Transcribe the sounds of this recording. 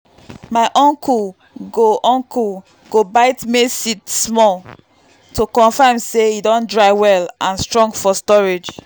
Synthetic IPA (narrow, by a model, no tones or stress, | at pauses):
maɪʔɔ̃ŋkʰul | ɡoʔɔ̃ŋkʰul | ɡ̥obaɪtmesitsmɔl | tokɔ̃nfamseidɔ̃ndɹaɪwɛlãnstɹɔ̃ŋɡfɔstɔɹed͡ʒ